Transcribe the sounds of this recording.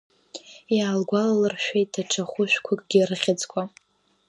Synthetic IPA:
jaːlɡʷallɨrʃᶣejtʰaʈ͡ʂʰaχʷʊʃᶣkʷʰakʼɡʲirχʲɪt͡sʼkʷʰa

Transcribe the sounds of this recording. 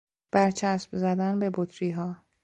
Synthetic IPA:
b̥æɾt͡ʃʰæsb̥zæd̪ænbe̞bot̪ʰɾiːɦɒː

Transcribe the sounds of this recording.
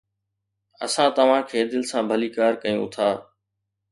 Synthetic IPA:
ɐ̰sãːt̪ɐʋ̤ãːkʰeːd̪ɪlsãːbʱəliːkaːɾkəjṵ̃t̪ʰaː

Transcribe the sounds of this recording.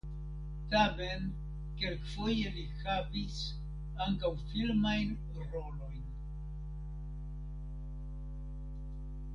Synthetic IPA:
tame̞n | kelkfo̞jelixavis | aŋkawfilmajn | ɾo̞lo̞jn

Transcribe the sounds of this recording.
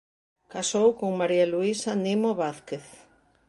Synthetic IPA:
kasowkoŋmaɾialuisanimoβaθkeθ

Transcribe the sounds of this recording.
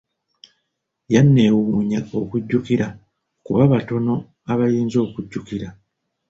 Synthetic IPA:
janːe̞ːwuɲao̞kuɟːukiɾa | kuβaβato̞no̞ | aβajiːnzo̞ːkuɟːukiɾa

